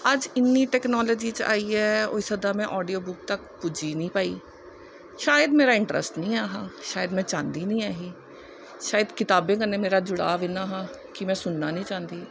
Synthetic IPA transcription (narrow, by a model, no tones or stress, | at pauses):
əd͡ʒɪnːiːʈɛːknɔːloːd͡ʒiːt͡ʃa̰ːiːɛːo̰ːisəd̪aːmɛ̃ːʔɔːɖiːoːbʊk̚t̪əkpud͡ʒiːnĩːpaːḭː | ʃaːjəd̪meːɾaːɪɳʈɾə̰sʈnĩːaːɦaːʃaːjəd̪mɛ̃ːt͡ʃãːnd̪iːnĩːaːɦiː | ʃaːjəd̪kɪt̪aːbẽːkənːẽːmeːɾaːd͡ʒʊɽa̰ːʋinaːɦaː | kɪmɛ̃ːsʊnːaːnĩːt͡ʃãːnd̪iː